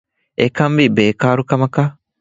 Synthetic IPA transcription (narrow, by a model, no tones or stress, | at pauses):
ekɐmbibeːkaːɾukɐmɐka